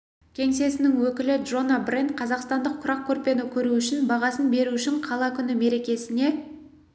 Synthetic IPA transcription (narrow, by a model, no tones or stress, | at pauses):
kʲʰe̞ŋse̞sɪnɪŋwɵkʲɪlɪdʒo̞nabrent̪̚qʰɑzɑqst̪ɑnd̪əqt̪ʰʊɾɑq̚kʲʰɵɾpe̞nɪkʲʰɵɾuʏʃɪnbɑʁɑsənbe̞ɾuʏʃɪɴqʰɑlˠɑkʲʰʏnɪme̞ɾe̞kʲe̞sɪne̞